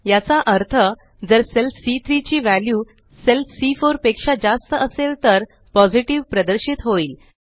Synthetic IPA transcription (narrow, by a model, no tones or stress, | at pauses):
jat͡saʔəɾt̪ʰə | d͡zəɾselfsit̪ʰɾit͡ɕiːʋælju | selfʰsifoɾpekʂad͡zast̪əəselt̪əɾ | pɔd͡ziʈiʋpɾəd̪əɾɕit̪ɦoiːl